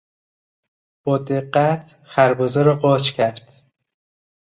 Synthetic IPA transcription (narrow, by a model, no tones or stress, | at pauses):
b̥ɒːd̪eɢːæt̪ʰ | xæɾbɒːzeɾɒːɢɒːt͡ʃcʲʰæɾd̪̥